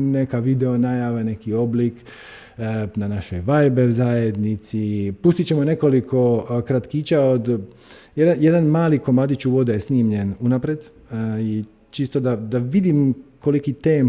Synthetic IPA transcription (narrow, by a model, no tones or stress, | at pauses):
ne̞kaʋid̪eo̞najaʋane̞kio̞blik | nanaʃo̞jʋajbeɾzajed̪nit̪sipust̪it͡ɕe̞mone̞ko̞liko̞kɾat̪kiːt͡ɕaod̪ | jed̪anjed̪anmaːliko̞maːd̪it͡ɕuʋo̞d̪ajesniːmʎe̞nunapɾed̪ | i | t͡ʃist̪o̞d̪ad̪aʋid̪imko̞likit̪eːm